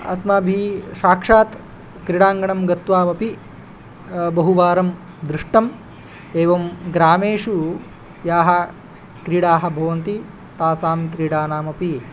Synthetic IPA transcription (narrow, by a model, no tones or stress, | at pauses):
ɐ̰smaːbʱiːʃaːkʂaːt̪ | kɾiɽaːŋɡɐɳɐmɡɐt̪ʋaːmɐpi | bɐɦuʋaːɾɐm | d̪ɾiʂʈɐm | eːʋɐmɡɾaːmeːʂu | jaːɦɐ̆ | kɾiɽaːɦɐ̆bʱɐʋɐnt̪i | t̪aːsaːmkɾiɽaːnaːmɐpi